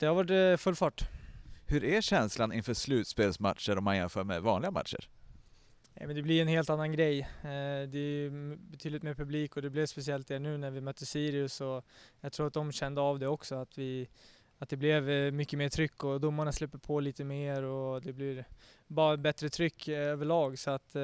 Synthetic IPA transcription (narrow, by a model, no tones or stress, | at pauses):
d̪̥ɛhaɾvaʈfɵlfɑːʈːhɵɾæɕɛnslanɪnfœːʂlʉ̟ːt̪speːlsma̰t̪ːəɾɔmːanjɛnfœːmɛvɑːnlɪɡama̰t̪ʂə̰ɾ | nɛ̰mɛnd̪ɛblɪɾɛnheːlt̪anːanɡɾɛjd̪ɛæjɵbɛt̪ʰyːd̪lɪt̪meːɾpʰɵbliːkɔd̪ɛblɪvspɛsɪɛlt̪̚d̪æːɳʉ̟ːnæɾvɪmœt̪ːəsiːɾɪɵsɔjaɡt̪ʰɾuːɾat̪̚d̪ɔmɕɛnd̪əavd̪ɛɔksɔat̪vɪ | at̪̚d̪ɛblɛvmʏkːəmeːʈʰɾʏkːɔd̪ʊmːaɳaslʉpːəɾpʰɔliːt̪əmeːɾɔd̪ɛblɪɾ | bɑːɾabɛt̪ɾət̪ʰɾʏkːøːvəɭɑːɡsɔat̪